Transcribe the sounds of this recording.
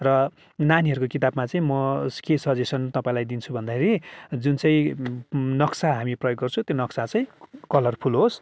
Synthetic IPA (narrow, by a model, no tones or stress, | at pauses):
rʌ | naniɦʌɾukokit̪abmat͡saĩmʌskesʌd͡zesʌnt̪ʌpãĩlajd̪int͡sʰubʱʌnd̪akʰeɾid͡zunt͡saĩ | nʌksaɦamiprʌjoɡːʌrt͡sʰũt̪jonʌksat͡saĩkʌlʌrpʰulɦos